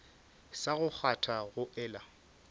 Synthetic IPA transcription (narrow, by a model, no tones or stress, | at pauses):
saɣʊk͡xʰatʰaɣʊʔɛːla